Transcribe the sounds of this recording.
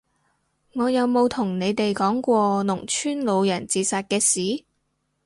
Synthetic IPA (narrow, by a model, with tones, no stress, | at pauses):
ŋɔː˨˧jɐ˨˧wmo˨˧wt̪ʰʊ˨˩ŋne˨˧jt̪e˨jkɔː˨˥ŋkʷɔː˧nʊ˨˩ŋt͡ʃʰyː˥nlo˨˧wjɐ˨˩nt͡siː˨˧saː˨˧t̚kɛː˧siː˨˥